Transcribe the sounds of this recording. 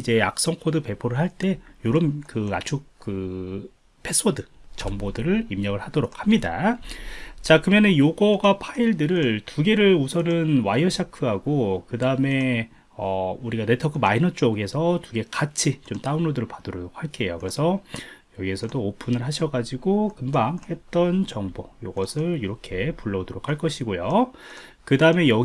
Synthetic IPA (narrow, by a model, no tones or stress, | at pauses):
id͡ʑe̞ak̚s͈ʌŋkʰodɯpe̞pʰoɾɯɭɦaɭt͈e̞joɾʌmkɯa̰t͡ɕʰukɯ | pʰes͈ʰodɯt͡ɕʌŋbodɯɾɯɭimɲʌŋɯɭhadoɾok̚hamɲida̰ | t͡ɕakɯmjʌnɯnjoɡʌɡapʰaiɭdɯɾɯɭtuɡe̞ɾɯɭusʰʌnɯnwajʌɕʰakʰɯɦaɡokɯdaɯme̞ | ʌuɾiɡane̞tʰʌkʰɯmainʌt͡ɕ͈oɡe̞sʰʌtuɡe̞kat͡ɕʰit͡ɕomt͈aunɭodɯɾɯɭpad̥oɾoɾok̚haɭk͈e̞jokɯɾe̞sʰʌjʌɡiesʰʌdoːpʰunɯɭɦaɕʰʌɡad͡ʑiɡokɯmbaŋhe̞t̚t͈ʌnt͡ɕʌŋbojoɡʌsʰɯɭiɾʌkʰe̞puɭːʌdoɾokʰaɭk͈ʌɕʰiɡojo | kɯdaɯme̞jʌ